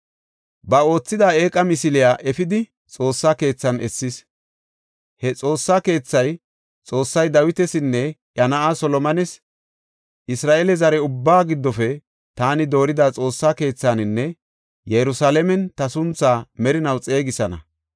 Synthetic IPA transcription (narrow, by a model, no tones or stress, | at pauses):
bɐo̞ːt͡sːɪd̪aːe̞ːkʼːɐmɪsɪlɪjaːʔɛfɪd̪ɪ | t͡sʼo̞ːsːake̞ːt͡sːɐnɛsːɪs | hɛt͡sʼo̞ːsːaːke̞ːt͡sːɐj | t͡sʼo̞ːsːɐjd̪ɐwɪt̪ɛsɪnːɛjɐnɐʔasɔlɔmɐnɛs | ʔɪsɾaːʔɛlɛzɐɾɛʊbːaːɡɪd̪ːɔfɛ | t̪aːnɪd̪o̞ːɾɪd̪at͡sʼo̞ːsːaːke̞ːt͡sːanɪnːɛ | jɛɾʊsaːlɛmɛnt̪ɐsʊnt͡sːaːmɛɾɪnɐwt͡sʼe̞ːɡɪsɐnɐ̰